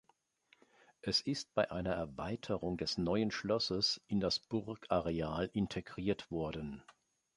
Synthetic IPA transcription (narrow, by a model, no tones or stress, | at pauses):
ʔɛsɪstb̥aɪʔaɪnɐɛɐvaɪtʰəʁʊŋdɛsnɔʏənʃlɔsəsʔɪndasb̥ʊʁkaʁeaːlʔɪntʰeɡʁiːɐtv̥ɔɐdən̩